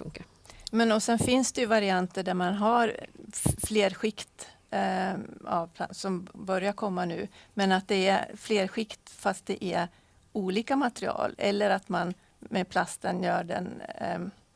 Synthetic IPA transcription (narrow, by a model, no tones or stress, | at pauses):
fɵŋkaɾ | mɛnɔsɛnfɪnsd̪ɛjɵvaɾɪant̪əɖæɾmanɦaɾ | fleːɾɧɪkt̪ | a̰vpʰlasɔmbœɾjaɾkʰɔmːanʉ̟̰ːmɛnat̪̚d̪ɛæfleːɾɧɪkt̪fast̪̚d̪ɛʔæ | uːliːkamat̪ɾɪɑ̰ːlɛ̰lːəɾat̪man | mɛpʰlast̪ənjœːɖɛ̰n